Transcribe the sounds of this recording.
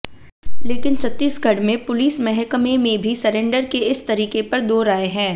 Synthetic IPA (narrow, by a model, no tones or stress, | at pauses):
leːkɪnt͡ʃʰɐt̪ːiːsɡʱɐɽmẽpʊliːsmɛɦɛkmẽmẽbʱisɐɾẽːɳɖəɾkeɪst̪ɐɾiːkepɐɾd̪oːɾaːeɦɛ̃ː